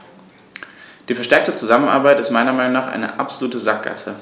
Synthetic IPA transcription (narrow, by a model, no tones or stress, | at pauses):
d̥iːfɛɐʃtɛɐk̚tət͡suzamənʔa̰ɐbaɪtɪstmaɪnɐmaɪnʊŋnaːχʔa̰ɪnə̰ʔa̰pz̥oluːtəzak̚ɡ̥a̰sə